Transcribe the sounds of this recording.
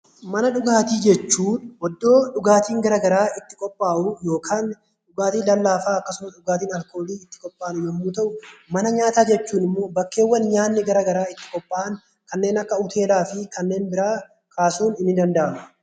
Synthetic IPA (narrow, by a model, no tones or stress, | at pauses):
mɐnɐᶑʊɡaːt̪iːd͡ʒɛt͡ʃːuːnwɔd̪ːo̞ːᶑʊɡaːt̪iːŋɡɐɾɐɡɐɾaːɪt̪ːɪ̥kʼɔpʼːaːʔʊjo̞ːkʰaːn | ᶑʊɡaːt̪iːlɐlːaːfaːɐkːɐsʊmɐtᶑʊɡaːt̪iːnɐlko̞ːliːɪt̪ːɪ̥kʼɔpʼːaːnʊjɛmːuːt̪ɐʔʊmɐnɐɲaːt̪aːd͡ʒɛt͡ʃːuːnɪmːo̞ːbɐkːe̞ːwːɐnɲaːnːɪɡɐɾɐɡɐɾaːɪt̪ːɪ̥kʼɔpʼːaːʔn | kɐnːe̞ːnɐkːɐʊt̪ʰe̞ːlaːfɪkɐnːe̞ːnbɪɾaː | kʰaːsuːnɪnːɪd̪ɐnd̪ɐʔɐmɐ